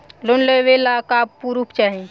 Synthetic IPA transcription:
lonləʋelakaːbpuɾupt͡ʃaːɦĩ

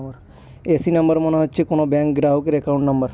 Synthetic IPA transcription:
bəɾ | esinɐmbəɾmoneɦotːt͡ʃʰekonobɛŋkɡɾaɦokeɾekawũɳʈnɔmbəɾ

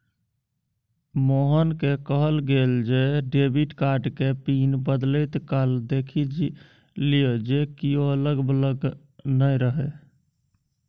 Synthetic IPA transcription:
moɦənkekəɦəlɡeld͡ʒeɖebiʈkaɾɖkepinbəd̪lət̪kald̪ekʰid͡ʒ | lijod͡ʒekioələɡbələɡ | nəjɾəɦɛ

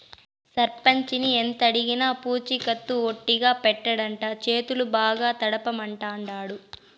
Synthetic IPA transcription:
sɐɾpɐɲt͡ʃinient̪ɐɽiɡinɐpuːt͡ʃikɐt̪ːuoʈːiɡaːpɛʈːɐɽɐɳʈaːt͡ʃe̞ːt̪ulubaːɡaːt̪ɐɽɐpɐmɐɳʈaːɳɖaːɽu

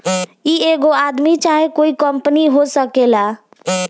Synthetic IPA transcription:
ieɡoad̪mit͡ʃaɦekoikəmpəniɦosəkela

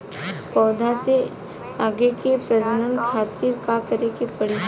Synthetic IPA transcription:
pɔːd̪ʱase | aːɡekepɾɐd̪ənənkʰaːt̪iɾkakɐɾekepəɽɪ

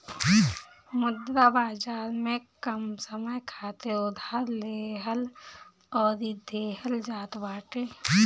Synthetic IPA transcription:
mʊd̪ɾabaːd͡ʒaːɾmẽkəmsəməjkʰaːt̪eʊd̪ʱaːɾleːɦəl | ɔːɾid̪ʱeːɦəld͡ʒaːt̪baːʈeː

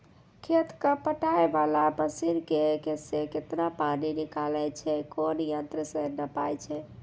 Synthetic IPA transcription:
kʰet̪kəpəʈaebalabəsiɾkekeseket̪napaninikalɛt͡ʃʰɛkonjənt̪ɾəsẽnəpajt͡ʃʰɛ

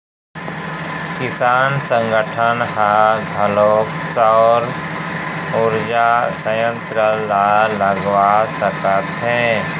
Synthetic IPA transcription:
kɪsaːnsə̃ŋɡəʈʰənhaɡʱəloːksɔːɾ | ʊɾd͡ʒasəjə̃nt̪ɾəlaləɡwasəkət̪ɦɛ̃ː

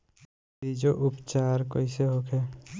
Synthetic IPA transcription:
id͡ʒoʔʊpt͡ʃaːɾkoiseɦokʰɛː

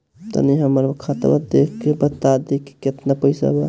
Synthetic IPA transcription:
t̪ə̰niɦəmːəɾkʰat̪bə̰d̪ekʰkebət̪ːad̪ekːe̥ket̪napəjsa̰ba

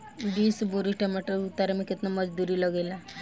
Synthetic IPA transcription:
biːsboɾiʈamaʈəut̪ːaɾemẽkɪt̪naməd͡ʒd̪uɾiləɡela

